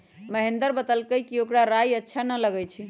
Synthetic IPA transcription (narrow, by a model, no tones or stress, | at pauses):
məɦend̪əɾbət̪əlkəjkiokɽaɾajətːʃʰanələɡɛt͡ʃʰi